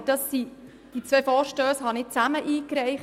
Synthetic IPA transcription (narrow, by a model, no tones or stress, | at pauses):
d̥ɑsːi | d̥it͡sʋɛfɔːɾʃtøːshɑnɪt͡sæməʔiːkɾɛɪχ